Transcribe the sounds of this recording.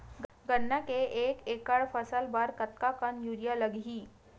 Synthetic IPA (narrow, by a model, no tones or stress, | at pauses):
ɡ | ɡənːakeʔekekaɭfəsəlbaɾkət̪̚kakənjuɾijaləɡɦiː